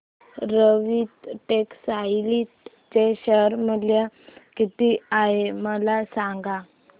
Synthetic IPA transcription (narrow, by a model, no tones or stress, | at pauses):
ɾəʋiːt̪ʈeksajlit̪ | t͡ɕeɕəɾməljakit̪iaɦeməlasaŋɡa